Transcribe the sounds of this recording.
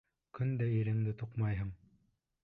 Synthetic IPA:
kɵnd̪æiɾɘ̆ŋd̪ɘt̪uqmɑjɦɤɴ

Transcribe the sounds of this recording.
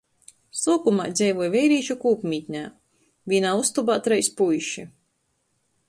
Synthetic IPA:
suːkumaːd̪zʲɛjvujvɛjɾiːʃukuːpmʲit̪ʲɲʲaː | viːnaːust̪ubaːt̪ɾɛjspujʃi

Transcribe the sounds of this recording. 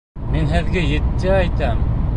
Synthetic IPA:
minɦɘ̆ðɡɘjɘ̆t̪ːɘæjt̪æm

